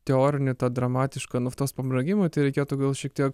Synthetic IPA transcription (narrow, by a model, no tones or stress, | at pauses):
t̪ʲɛoːɾʲɪnʲɪt̪ɑːd̪ɾɐmɑːt̪ʲɪʃkɐnʊft̪oːspɐbɾɐɡʲɪmɐt̪ɐɪɾʲɛɪkʲeːt̪ʊɡɐlˠʃʲiɛkt̪ʲiɛk